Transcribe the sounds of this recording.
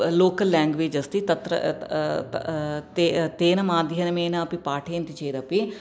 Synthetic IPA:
loːkəlːɛ̃ːŋɡʋeːd͡ʒɐst̪it̪ɐt̪ɾə̰ | t̪et̪eːnɐmãːd̪jɐnmeːnaɐpipaːʈʰeːnt̪it͡ʃeːɾɐpi

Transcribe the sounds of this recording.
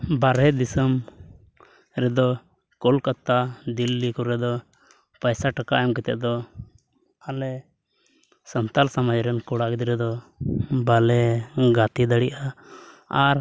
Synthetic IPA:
baɾɦɛd̪isəm | ɾɛd̪ɔ | kɔlkat̪ːad̪ilːikɔɾɛd̪ɔ | pajsaʈaka̰ʔjamkɛt̪ɛ̰ʔd̪ɔ | alɛ | sənt̪alsamad͡ʒɾɛnkɔɽakd̪iɾɛd̪ɔ | balɛɡat̪id̪aɽiʔa | aɾ

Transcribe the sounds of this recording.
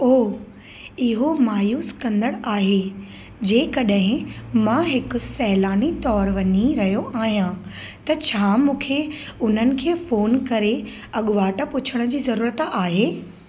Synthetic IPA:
oː | ɪɦomaːjuːskɐ̃nd̪əɽaːɦe | d͡ʑeːkɐɗɦɪ̃mãɦɪkʊ̆sɛɦlaːnit̪ɔːɾʋɐɲiɾɐɦijoʔaːɦijã | t̪ɐt͡ɕʰaːmũːkʰe | ʊn̤ənɪ̆kʰeːfoːnkɐɾe | ɐɠʊʋaːʈəpʊt͡ɕʰəɽ̃d͡ʑiːzɐɾuːɾət̪aːɦeː

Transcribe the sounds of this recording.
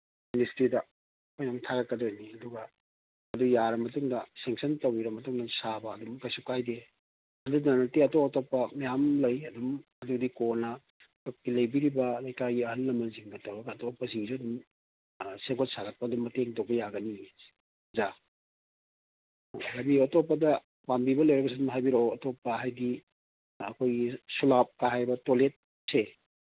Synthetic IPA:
ministɾidɐ | ojnaŋtʰaɡɐkːɐdojniɐduɡɐ | ɐdujaɾɐmɐtuŋdɐseŋsɐntowiɾɐmɐtuŋdɐsabɐːdumkɐjsukajde | ɐdunɐnɐtiɐtoɐtopːɐmɐjamlɐjɐdumɐdudikonɐ | top̚kilɐjbiɾibɐlɐjkaɡiɐɦɐlːɐmɐnziŋɡɐtʰawɾɐɡɐːtopːɐziŋziɐdum | seɡot̚saɡɐt̚pɐɐdumːɐteŋtok̚bɐjaɡɐni̥ | za | hajbioɐtopːɐdɐ | pambibɐlɐjɾɐɡɐsidumɦajbiɾoɐtopːɐɦajdiː | kʰojɡisulap̚kaɦajbɐtolet̚ | se

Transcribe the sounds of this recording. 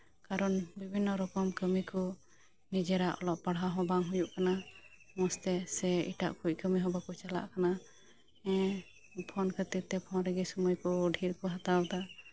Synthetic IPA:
kaɾɔnbibʱinːɔɾɔkɔmkəmikɔ | nid͡ʒɛɾaʔɔ̰lɔʔpaɽɦaɦɔ̃baŋɦujuʔkana | mɔst̪ɛsɛḭʈa̰ʔkʰuc̚kəmiɦɔbakɔt͡ʃala̰ʔkana | ɛ̃ | pʰɔnkʰət̪it̪ːɛpʰɔ̃nɾɛɡɛsɔmujkɔɖʱiɾkɔɦat̪awt̪a

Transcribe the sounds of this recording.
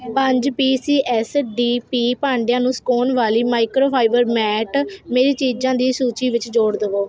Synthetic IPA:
pəɲd͡ʒpiːsiːʔɛːsɖiːpiːpaːɳɖejãːnũːskoːnʋaːliːmaːɪkɾoːpʰaːɪʋəɾmɛːʈmeːɾiːt͡ʃiːd͡ʒãːd̪iːsuːt͡ʃiːʋɪt͡ʃd͡ʒoːɽd̪əʋoː

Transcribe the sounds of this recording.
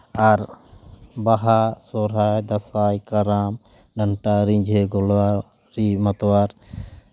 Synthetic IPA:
aɾ | baɦasɔɾajd̪ɐsajkəɾam | ɖəɳʈaɾĩɲd͡ʒʱeɡɔlwa | ɾimət̪waɾ

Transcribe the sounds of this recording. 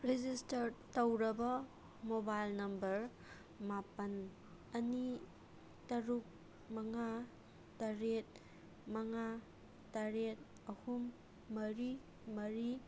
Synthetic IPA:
ɾed͡ʒistɐɾtɐwɾɐbɐ | mobajlnɐmbɐɾ | mapɐn | ɐni | tɐɾuk̚ | mɐŋa | tɐɾet̚ | mɐŋa | taɾet̚ | ɐhumː | ɐɾi | mɐɾi

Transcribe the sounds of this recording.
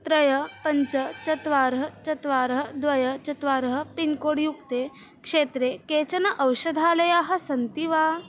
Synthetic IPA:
t̪ɾəjəpəɲt͡sət͡ɕɐt̪ʋaɾɦɐt͡ɕɐt̪ʋaɾɦɐd̪ʋɐjət͡ɕɐt̪ʋaɾɦəpinkoɽjukt̪e | kʂet̪ɾeket͡sɐnɐʔəwɕəd̪ʱaləjaɦɐsɐnt̪iʋa

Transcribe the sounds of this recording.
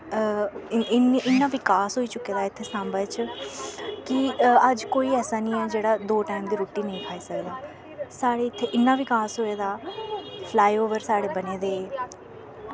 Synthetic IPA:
ɪnɪnːãːʋɪkaːsɦoːiːt͡ʃʊkːeːd̪aːɪt̪ʰːeːsãːmbət͡ʃ | kɪəd͡ʒkoːiːɛːsaːnĩːɛːd͡ʒeːɽaːd̪oːʈaːimd̪iːɾoːʈiːnəĩːkʰaːiːsəkd̪aː | saːɽeːɪt̪ʰːeːʔɪnːãːʋɪkaːsɦoːeːd̪aːpʰlaːioːʋəɾsaːɽeːbəneːd̪eː

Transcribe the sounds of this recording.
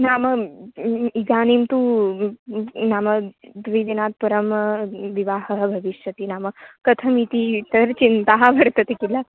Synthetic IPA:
naːmɐ | iɡaːnimt̪u | naːmɐd̪ʋid̪inaːt̪̚pɐɾəmʋiʋaːɦəɦəbʱɐʋiʃjɐt̪iːnaːmɐkɐt̪ʰɐmit̪it̪ɐɾt͡ɕint̪aɦabʱɐɽt̪ɐt̪ekila

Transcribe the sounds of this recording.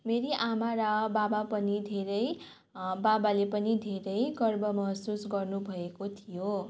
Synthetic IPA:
meɾiʔamaɾʌbabapʌnid̪ʱeɾʌj | babalepʌnid̪ʱeɾʌjɡʌrbʱʌmʌɦsusɡʌrnubʱʌekot̪ʰijo

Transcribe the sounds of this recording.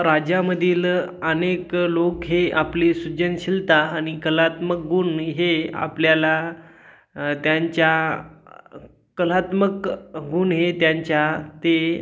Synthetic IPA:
ɾad͡ʑaməd̪ʱiːləneklokɦeʔaplisud͡ʑənɕilt̪aːñikəlat̪mək̚ɡuːnɦea̰pljala | t̪jaɲt͡ɕja | kːəlat̪məkɡuːnɦet̪jaɲt͡ɕjat̪e

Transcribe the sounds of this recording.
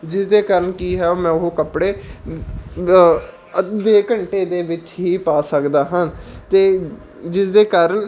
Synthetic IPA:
d͡ʒɪsd̪eːkaːɾəɳkiːɦɛːoːmɛ̃ːʊɦokəpɽeː | beːkəɳʈeːd̪eːʋɪt͡ʃɦiːpaːsəkd̪aːɦənt̪eː | d͡ʒɪsd̪eːkaːɾəɳ

